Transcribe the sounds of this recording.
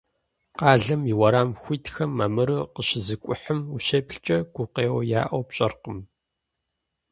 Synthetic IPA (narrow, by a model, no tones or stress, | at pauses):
qɑːɮɐmiwɐɾaːmxʷiːtʰxɐmːɐmɨɾɨqəɕɪzɨkʷʼʊħəmuʃeːpɬt͡ʃʼɐɡ̥ʷʊqeːwɐja̰ːʔɐwpɕʼɐrqəm